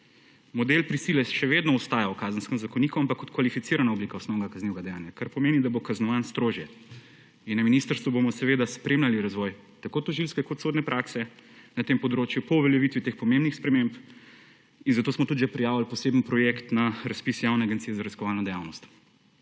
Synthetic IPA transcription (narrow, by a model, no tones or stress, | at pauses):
mɔd̪elpɾisilɛʃɛʋed̪nɔɔst̪aːjawkaːzənskəmzakɔnikuampakːɔt̪kʋalifit̪siɾanaobliːkaɔsnɔwnɡakazniwɛɡad̪ɛjaːnjakaɾpɔmeːnid̪abokaznɔʋanst̪ɾoːʒjɛ | inːɐminist̪əɾst̪ʋubomɔsɛʋeːd̪aspɾemlʲaliɾazʋɔj | t̪akot̪ɔʒilskɛkɔt̪soːd̪nɛpɾʔaksɛnat̪empɔd̪ɾot͡ʃjupɔuʋɛljɛʋit̪ʋit̪eːxpɔmẽmbnixspɾɛmemp | inzat̪oːsmɔt̪ud̪ʒɛpɾijaːʋilpɔseːbnpɾɔjekt̪naɾaspisjawnɛaɡɛnt̪ijɛzaɾɐiskɔʋaːlnɐd̪ɛjawnɔst̪